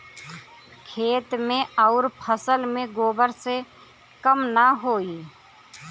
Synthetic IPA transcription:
kʰeːt̪mẽəʊɾpʰəsəlmẽɡoːbəɾse | kəmnaɦoːi

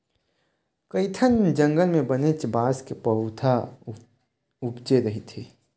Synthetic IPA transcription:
kəɪt̪ʰənd͡ʒə̃ŋɡəlmẽbənet͡ʃbaːskepəɦʊt̪ʰa | ubd͡ʒeɾəɦit̪ʰiː

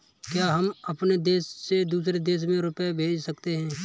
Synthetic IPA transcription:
kjaːɦɐmɐpned̪eːʃːed̪uːsɾed̪eːʃ̬mẽɾʊpebʱeːd͡ʒsɐkt̪eɦɛ̃ː

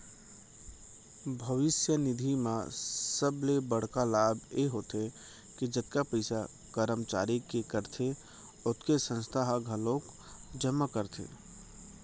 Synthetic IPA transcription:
bʱəʋɪsjənɪd̪ʱimãsəblebəɽ̤kalaːbeɦot̪e | kid͡ʒət̪̚kapəɪsa | kəɾəmt͡ʃa̰ːɾikekəɾt̪ʰe | ʊt̪kesə̃nst̪ʰaɦɡʱəlõk | d͡ʒəmːəkəɾt̪ʰḛ

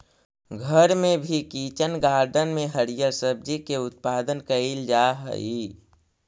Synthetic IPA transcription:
ɡʱəɾmẽbʱikit͡ʃənɡaːɾɖənmẽɦəɾijəɾsəb̚d͡ʒikeʊt̪̚paːd̪ənkəild͡ʒaɦə̰i

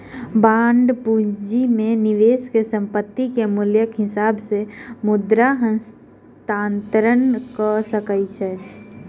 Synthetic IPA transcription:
bãːɳɖpud͡ʒimẽnɪʋeːskesə̃mpət̪ːikemʊljəkɦɪsaːbsemʊd̪ɾaɦə̃ns | t̪aːnt̪əɾənkəsəkəjt͡ʃʰɛː

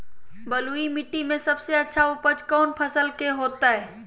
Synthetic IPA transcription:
bəluimɪʈːimẽsəbseətːʃʰaʊpət͡ʃkɔːnpʰəsəlkeɦoːt̪aɦɛ

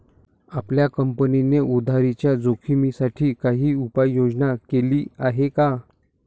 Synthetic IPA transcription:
apljakəmpənineʔud̪ʱaɾit͡ɕjad͡zokʰimisaʈʰiːkaɦiːupajːod͡znakeliːaɦeka

